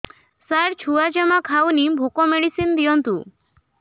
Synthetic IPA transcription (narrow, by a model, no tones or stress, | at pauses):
saɾt͡ʃʰuad͡ʒamakʰawnibʱokɔmeɽisind̪ijɔnt̪ṵ